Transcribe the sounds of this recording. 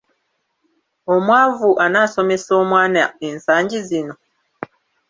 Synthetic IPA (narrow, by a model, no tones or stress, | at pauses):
omwaːvuʔanaːsomesomwaːnaensaːɲɟizino